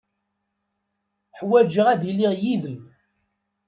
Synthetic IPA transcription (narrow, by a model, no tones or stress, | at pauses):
ħwæd͡ʒəʁæðilːiʁjiðəm